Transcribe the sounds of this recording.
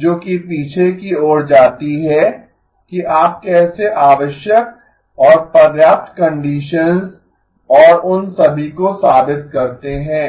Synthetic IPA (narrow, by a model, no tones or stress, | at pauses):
d͡ʒoːkipiːt͡ʃʰekioːɽd͡ʒaːt̪iɦɛ | kiʔaːp̚kɛːseʔaːʋəʃjək̚ | ɔːɾpɐɾjaːp̚t̪kɐ̃ɳɖiːʃənz | ɔːɾʊnsɐbʱikosaːbɪt̪kɐɾt̪eɦɛ̃ː